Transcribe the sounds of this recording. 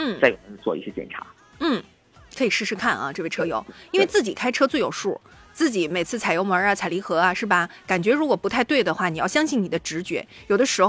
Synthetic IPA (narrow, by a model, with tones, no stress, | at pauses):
n̩˥˩a˥˩jo˨˩nə˧˥˧t͡swɔ̰˥˧ḭ˥˩ɕjɛ˥t͡ɕjɛ̰˨˩nʈ͡ʂʰa̰˧˥ | n̩˥˩ | kʰɤ˧˥i˨˩ʂɻ̩˥˧ʂʰɻ̩˥˧kʰa˥˩nʔɐ̰˩ʈ͡ʂɤ˥˧we˥˩ɪʈ͡ʂʰɤ˥jo̰˨˧˥ʊi˥nwe˥˧ɪt͡sɹ̩˥˩t͡ɕi˨˩kʰa˥ɪʈ͡ʂʰɤ˥t͡swe˥˩ɪjo˨˩ʊʂu˥˩ | t͡sɹ̩˥˩t͡ɕi˨˧˥me˨˩ɪt͡sʰɹ̩˥˩t͡sʰɪjo˧˥ʊmə˞˧˥a˨t͡sʰɪli˧˥xɤ˧˥a˧ʂɻ̩˥˩bɐ˩ka˨˩nt͡ɕɥɛ˧˥ɻu˧˥kwɔ˨˩pu˧˥t̪ʰa˥˧ɪt̪we˥˩ɪd̪ə˩xwa˥˩ni˨˩jɑ˥˩ʊɕjɑ˥ŋɕi˥˩ŋni˨˩d̪ə˦ʈ͡ʂɻ̩˧˥t͡ɕɥɛ̰˧˥jo˨˩ʊd̪ə˦ʂɻ̩˧˥x